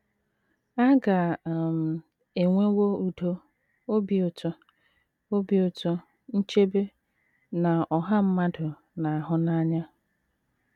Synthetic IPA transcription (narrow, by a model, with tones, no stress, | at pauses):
a˦ɡa˨m̩˨ | e˨ŋʷe˦wo˦u˨do˦ | o˦bi˨˦ʊ˨to˦ | o˦bi˨o˨to˦ | n̩˦t͡ʃe˦be˦ | na˨ɔ˨ɦa˦m̩˦ma˦dʊ˨ | na˨a˨ɦʊ˦na˦ɲa˦